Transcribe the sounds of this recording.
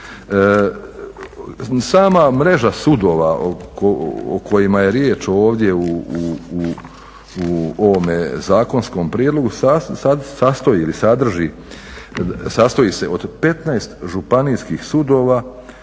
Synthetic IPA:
saːmamɾe̞ʒasud̪o̞ːʋaokookʰo̞jimaje̞ɾjeːt͡ʃo̞ːʋd̪je̞uu | uoʋomezaːko̞nsko̞mpɾiːd̪lˠo̞ɡusasasast̪o̞jiːlisad̪r̩ʒi | sast̪o̞jise̞ʔo̞d̪pe̞t̪najst̪ʒupaniskixsud̪o̞ːʋaː

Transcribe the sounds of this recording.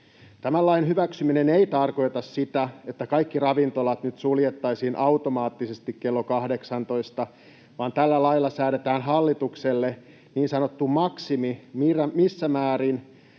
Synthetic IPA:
t̪æmælːɑinhyʋæksymineneit̪ɑrko̞jt̪ɑssit̪æet̪ːækɑikːirɑʋint̪olɑt̪nyt̪suljet̪ːɑisiːnʔɑut̪omɑːt̪ːisest̪ikkelːokɑhdeksɑnt̪o̞ist̪ɑ | ʋɑːnt̪ælːælɑilːɑsæːɾet̪æːnɦɑlːit̪ukselːe | niːnsɑnot̪ːumɑksimimiræmisːæmæːɾin

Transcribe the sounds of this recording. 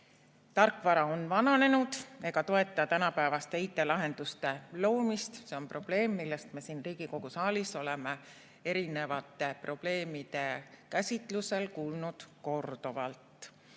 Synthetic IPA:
t̪ɑrkːˑvɑɾɑonvɑnɑne̞nud̪̥e̞ɡ̥ɑt̪o̞e̞t̪ˑːɑt̪ænɑpæevɑst̪eijt̪ːˑe̞lɑɦe̞nd̪̥ust̪e̞lo̞ːmist̪seo̞mpro̞b̥le̞ːmːilːe̞st̪me̞siːnriːɡ̥iko̞ɡ̥usɑːliso̞le̞me | e̞ɾine̞vɑt̪ːˑe̞pro̞b̥le̞ːmid̪e̞kæsʲit̪ˑluse̞lkuːlnud̪̥ko̞rd̪̥ovɑ̰lt̪ˑ

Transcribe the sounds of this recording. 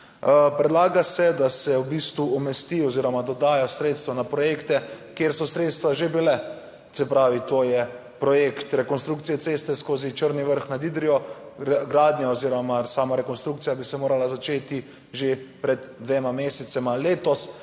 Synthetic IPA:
pɾɛd̪laːɡasɛd̪asɛwbiːst̪ʋuɔmɛst̪iɔziːɾɔmad̪ɔd̪aːjasɾeːt̪st̪ʋɔnapɾɔjeːkt̪ɛkjeɾsɔsɾeːt̪st̪ʋaʒebilɛ | t̪sɛpɾaːʋit̪ojɛ | pɾɔjekt̪ɾɛkɔnst̪ɾukt̪sijɛt̪seːst̪ɛskoːzit͡ʃəɾniʋəɾxnad̪iːd̪ɾijɔɾɡɾaːd̪njaoziːɾɔmasaːmaɾɛkonst̪ɾuk̚t̪sijabisɛmoːɾalazat͡ʃeːt̪i | ʒepɾɛd̪d̪ʋeːmameːsɛt̪sɛmaleːt̪ɔs

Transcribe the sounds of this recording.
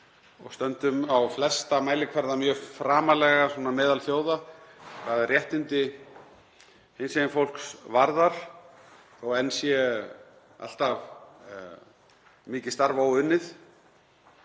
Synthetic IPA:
ɔ̰ɣst̪œnt̪ʏmawflɛst̪amaːjlɪkʰvɛɾðamjœːfɾaːmalɛɣasɔːnamɛːðalθjoːwðakʰvaːðɪrjɛht̪ɪnt̪ɪ | hɪnsɛjɪnfowl̥ksvaɾðaɾ̥ | ɔɣɛnsjɛ | a̰l̥t̪av | mɪːcɪst̪aɾvawʏnːɪθ

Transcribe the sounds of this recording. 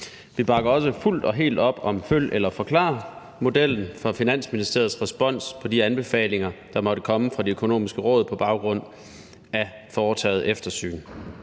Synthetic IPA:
ʋib̥ɑ̈ɡ̥ɐɒ̽s̬əful̰d̥ɒ̽ɦe̝̰ːld̥ɒ̽b̥ɒ̽mføl̰ʔelɐfɒ̽kʰlɑ̰̈ː | mo̝d̥el̰n̩fɒ̽finæn̰sminisd̥e̝ɐð̩ˠsʁɛsb̥ɒ̽n̰spʰɒ̽d̥iænb̥e̝fɛ̰ːle̝ŋɐd̥ɑ̈mɒ̽ɾ̥əkʰɒ̽məfʁɑ̈d̥eøkʰo̝no̝̰ːmisɡ̥əʁɔ̽ːð̞̩ˠpʰɒ̽b̥ɑ̈ʊɡ̥ʁɔ̽n̰ | æ | fɒːt͡sʰɛ̰ːð̩ˠefd̥ɐsy̰ːn

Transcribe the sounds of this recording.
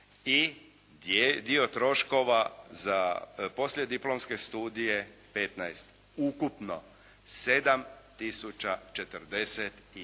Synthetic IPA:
i | d̪io̞t̪ɾo̞ʃko̞ʋazapo̞slʲjed̪iplo̞mske̞st̪uːd̪ijepe̞t̪najst̪ | ukupno | se̞d̪amt̪isut͡ʃat͡ʃe̞t̪əɾd̪eset̪i

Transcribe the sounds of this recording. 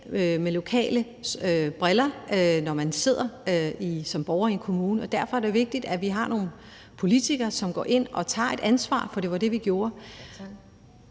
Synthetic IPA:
ømelo̝kʰɛ̰ːlə | øb̥ʁɛlɐnɒmænse̝ð̞̰ˠɐøisɒ̽mb̥ɒʊɐienkʰo̝muːnəɒ̽d̥æɐfɒ̽æɐɾ̥e̝ʋe̝ɡ̥̚d̥id̥æʋiɦɑ̈no̝ːn̩ | pʰo̝lit͡sʰiɡ̥ɐːsɒ̽mɡ̥ɒ̰ːʔe̝n̰ɒ̽t͡sʰɑ̰̈ːe̝d̥ʔænsʋɑ̰̈ːfɒ̽ɾ̥e̝ʋɑ̈d̥e̝ʋiɡ̥jo̝ːɐ

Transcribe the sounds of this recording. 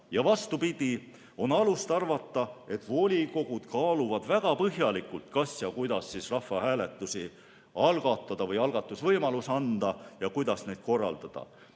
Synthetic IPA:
jɑvɑst̪upid̪̥ʲi | o̞nɑlust̪ɑrvɑt̪ˑːɑe̞t̪ˑvo̞lʲiko̞ɡ̥ud̪̥kɑːluvɑd̪væɡ̥ɑpɤɦjɑlikːˑult̪kɑsjɑkujd̪̥ɑsːisrɑfːɑhæːle̞t̪ːˑusi | ɑlɡ̥ɑt̪ːˑɑd̪̥ɑvɤjɑlɡ̥ɑt̪ːˑusvɤjmɑlusɑnd̪̥ɑjɑkujd̪̥ɑsne̞ːd̪̥̚ko̞rːɑ̰ld̪̥ɑd̪̥ɑ̰

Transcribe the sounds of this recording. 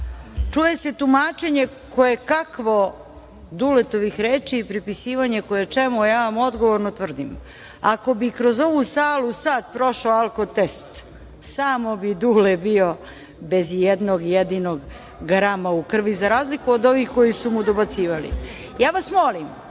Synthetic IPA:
t͡ʂuje̞se̞t̪umaːt͡ʃe̞ɲe̞ | ko̞jekakʋo̞ | d̪ulet̪oʋixɾeːt͡ʃiːpɾipisiːʋaɲeko̞jet͡ʂemujaːʋamo̞d̪ɡo̞ʋo̞ɾnot̪ʋr̩d̪im | ako̞bikɾo̞zo̞ʋusaːlˠusaːt̪pɾo̞ʃaalˠkot̪est̪ | saːmo̞bid̪uːlebio̞ | be̞zjed̪noɡjed̪ino̞ɡ | ɡɾamaukr̩ʋizaɾaːzlikuod̪o̞ʋiːxko̞jisumud̪o̞bat̪siːʋalḭ | jaːʋasmo̞lim

